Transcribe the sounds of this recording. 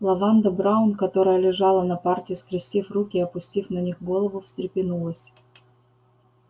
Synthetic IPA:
lˠɐvand̪əbɾaʊnkɐt̪o̞ɾəjəlʲɪʐɑlˠənɐpartʲɪːskɾʲɪsʲtʲifrukʲɪɐpʊsʲtʲifnɐnʲixɡo̞lˠəvʊfsʲt̪ɾʲɪpʲɪnulˠəsʲ

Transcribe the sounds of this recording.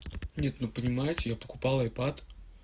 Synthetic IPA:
nʲe̞t̪nopənʲɪmajɪtʲɪjapə̥kʊpalˠjpat̪

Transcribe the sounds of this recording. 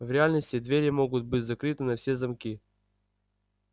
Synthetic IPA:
vɾʲɪalʲnəsʲtʲɪd̪vʲeɾʲəmoɡʊt̪̚bɨtʲzɐkɾɨt̪ɨnɐfsʲezɐmkʲi

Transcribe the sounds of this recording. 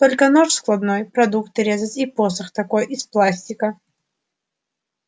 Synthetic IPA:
t̪olʲkənoʂsklˠɐd̪nojpɾɐd̪ukt̪ɾʲezət̪ʲiposəxt̪ɐkojʔisplˠasʲtʲɪkə

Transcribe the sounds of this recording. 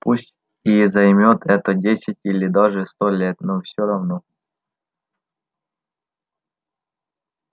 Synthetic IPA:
pusʲtʲ | izɐjmʲot̪ʰɛt̪ədʲesʲɪtʲilʲɪd̪ɑʐɨst̪olʲet̪nofsʲoɾɐvno

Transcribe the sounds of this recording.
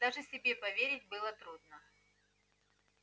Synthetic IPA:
d̪aʐɨsʲɪbʲe̞pɐvʲeɾʲɪtʲbɨlˠət̪ɾud̪nə

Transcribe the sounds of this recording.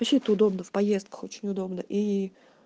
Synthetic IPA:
ɐɕʲet̪əʊd̪o̞bnəfpɐjest̪kə̥xo̞t͡ɕɪnʲʊd̪o̞bnəʔi

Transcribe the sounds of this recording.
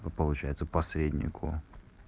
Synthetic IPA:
pəlˠʊt͡ɕæjɪt̪səpɐsɾʲedʲnʲɪ̰kʰʊ̰

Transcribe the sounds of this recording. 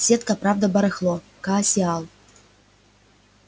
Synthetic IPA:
sʲet̪̚kɐpɾavd̪ɐbɐɾɨxlˠɔ | kaːsʲialˠ

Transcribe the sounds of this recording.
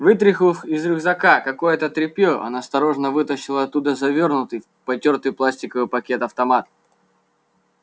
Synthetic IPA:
vɨt̪̬ɾʲɪxlˠfɪzɾɨɣzɐkakɐko̞jət̪ət̪ɾʲɪpʲjoʔɐ̰nast̪ɐɾo̞ʐnəvɨt̪əɕːɪlˠəɐt̪ːud̪əzɐvʲo̞rnʊt̪ɨj | pɐtʲort̪ɨjplˠasʲtʲɪkəvɨjpɐkʲe̞t̪ɐft̪ɐmat̪̚

